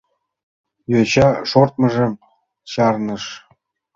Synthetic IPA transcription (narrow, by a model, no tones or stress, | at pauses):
jot͡ɕɑʂort̪̚mɤ̆ʒĕm | ɕɑrnɤ̆ʃ